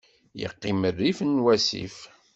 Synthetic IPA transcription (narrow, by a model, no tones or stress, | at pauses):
jə̰qːimərːifnwæsḭf